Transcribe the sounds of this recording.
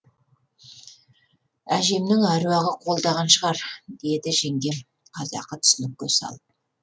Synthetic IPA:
æʒe̞mnɪŋɑɾuɑʁəqʰo̞lˠd̪ɑʁɑnʃəʁɑɾd̪̥e̞d̪ɪʒe̞ŋɡʲe̞n | qʰɑzɑ̰qːət̪ʰʏ̥sɪnɪk̚ʲkʲːe̞sɑ̰lˠ

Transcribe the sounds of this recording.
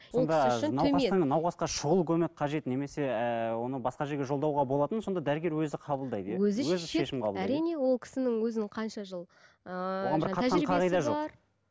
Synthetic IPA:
sond̪ɑnɑwɑt̪əɴnɑwqɑsqɑʃʊʁəlˠkʲʰɵmɪk̚ʲqʰɑʒe̞t̪ne̞me̞se̞wo̞nəbɑsqɑʒe̞ɾɡʲe̞ʒolˠd̪ɑwʁɑbolˠɑt̪ənso̞nd̪ɑd̪æɾɪɡʲe̞ɾwɵzɪqʰɑbəlˠd̪ɑjd̪əjɑzɪwɵzɪʃe̞ʃɪmqʰɑblˠæɾijne̞wo̞lˠkʲʰɪ̥sɪnɪŋwɵzɪnɪqʰɑnʃɑʒəlˠ | oʁɑnbɪɾqʰɑt̪ʒɑnɾiqʰɑʁijd̪ɑʒoɑɾ

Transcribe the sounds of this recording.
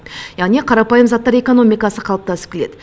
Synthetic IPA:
jæʁneqʰɑɾɑpɑjəmzɑt̪ːɑɾe̞ko̞no̞mijkɑsəqʰɑlˠəpt̪ɑsə̥p̚kʲʰele̞d̪ɪ

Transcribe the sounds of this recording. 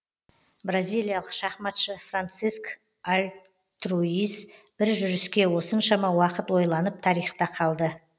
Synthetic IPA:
brazʲijlˠijalˠəqʃɑχmɑt̪ʃəfrant̪sisk | alʲ | t̪ruisb̥ɪɾʒʏɾɪskʲe̞wo̞sənʃɑmɑwɑqət̪wo̞jlˠɑnəp̚t̪ʰɑɾijχt̪ɑqʰɑlˠd̪ə

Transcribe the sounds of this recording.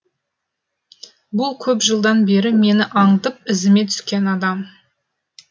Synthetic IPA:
bʊlˠkʲʰɵpʒəlˠd̪ɑnbe̞ɾɪme̞nɪʔɑɴd̪əp̚ɪzɪme̞t̪ʰʏ̥skʲe̞nɑd̪ɑm

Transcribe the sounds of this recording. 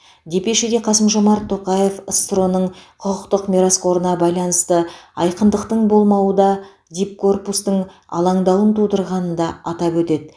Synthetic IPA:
d̪e̞pe̞ʃed̪e̞qʰɑsəmʒomɑɾt̪ʰːo̞qɑje̞fəst̪ro̞nəɴqʰʊqəqt̪əqmʲiɾasko̞ɾənɑbɑjlˠɑnəst̪əɑjqənd̪əqt̪əɴbo̞lˠmɑwəd̪ɑ | d̪ʲip̚kʰo̞rpust̪əɴ | ɑ̰lˠɑɴd̪ɑwənt̪ʰud̪əɾʁɑnənd̪ɑɑt̪ɑpwɵt̪e̞d̪ɪ

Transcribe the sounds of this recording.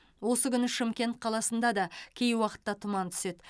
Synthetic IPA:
wo̞səkʲʏnɪʃɪmkʲe̞nt̪̚qʰɑlˠɑsənd̪ɑd̪ɑkʲʰejwɑqə̥t̪ːɑt̪ʰʊmɑnt̪ʰʏ̥se̞d̪

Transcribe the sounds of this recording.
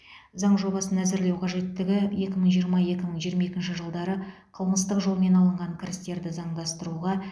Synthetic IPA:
zɑɴʒo̞bɑsənæzɪɾle̞wqʰɑʒe̞t̪ːɪɡʲɪje̞kʲɪməɴʒijəɾmɑje̞kʲɪməɴʒijəɾmɑe̞kʲɪnʃɪʒəlˠd̪ɑɾəqʰəlˠməst̪əqʒo̞lˠme̞nɑlˠəɴʁɑŋkʲʰɪɾɪst̪e̞ɾd̪ɪzɑɴd̪ɑst̪əɾuʁɑ

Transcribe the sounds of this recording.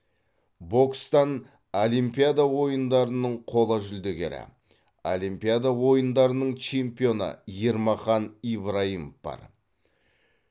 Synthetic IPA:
bo̞kst̪ɑn | olijmpijad̪awo̞jənd̪ɑɾənəɴqʰo̞lˠɑʒʏld̪eɡʲe̞̰ɾɪ̰ | o̰limpijad̪awo̞jənd̪ɑɾənəɴt͡ʃʰe̞mpijo̞nə̰je̞ɾmɑχɑnijbɾaimofb̥ɑ̰ɾ

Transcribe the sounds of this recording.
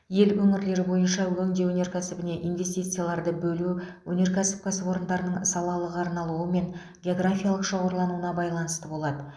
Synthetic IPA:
je̞lɵŋɪɾle̞ɾɪbo̞jənʃɑwɵŋd̪e̞wɵne̞ɾkʲʰæsɪbɪne̞ʔijnve̞st̪ijt̪sɨjalˠɑɾd̪əbɵluwɵne̞ɾkʲʰæsɪ̥p̚kʲʰæsɪbo̞ɾənd̪ɑɾənəɴsɑlˠɑlˠəʁɑɾnɑlˠuəme̞n | ɡʲeo̞ɡrafʲijalˠəqʃɑwoɾlˠɑnuənɑbɑjlˠɑnəst̪əbo̞lˠɑd̪ə

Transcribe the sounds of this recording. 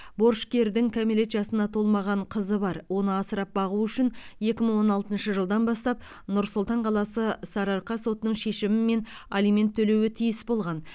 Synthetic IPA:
bo̞ɾʃkʲe̞ɾd̪ɪŋkʲʰamele̞t̪ʒɑsənɑt̪ʰo̞lˠmɑʁɑɴqʰəzəbɑɾwo̞nəɑsəɾɑp̚bɑʁuʏʃɪnje̞kʲɪməɴwo̞nɑlˠt̪ənʃəʒəlˠd̪ɑnbɑst̪ɑp̚ | nʊɾsʊlˠt̪ɑɴqʰɑlˠɑsəsɑɾɑɾqɑso̞t̪ənəɴʃe̞ʃɪmɪme̞nalijme̞nt̪ʰːɵle̞wɪt̪ʰijɪsbolˠʁɑn

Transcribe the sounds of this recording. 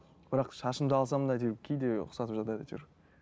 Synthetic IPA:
bɪɾɑqʃɑʃəmd̪əɑlˠsɑmd̪ɑjt̪ʰiɾkʲʰejd̪eʊ̰qsɑt̪əpʒɑt̪ɑd̪ɑt̪ʰy̰ɾ

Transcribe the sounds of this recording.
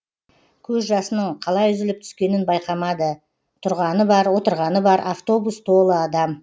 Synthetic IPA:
kʲʰɵzʒɑsənəɴqʰɑlˠɑjʏzɪlɪp̚t̪ʰʏ̥skʲe̞nɪnbɑjqɑmɑd̪ə | t̪ʰʊɾʁɑnəbɑɾwo̞t̪əɾʁɑnəbɑɾʔaft̪o̞bust̪ʰo̞lˠəɑd̪ɑm

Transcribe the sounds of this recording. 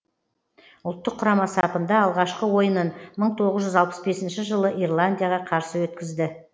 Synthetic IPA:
ʊlˠt̪ːəqʰːʊɾɑmɑsɑpənd̪ɑːlˠʁɑʃqəwo̞jənənməɴt̪ʰo̞ʁəzʒʏzɑlˠpə̥sbe̞sɪnʃɪʒəlˠəʔirlˠand̪ʲijaʁɑqʰɑɾsəwɵt̪kʲɪzd̪ɪ

